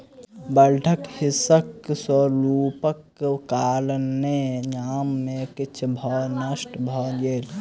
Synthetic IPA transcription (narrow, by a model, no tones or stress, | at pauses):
bəɾɖʱəkhisəkswəɾupək | kalnːejamːekit͡ʃʰbʱɔnəsʈbʱɔɡel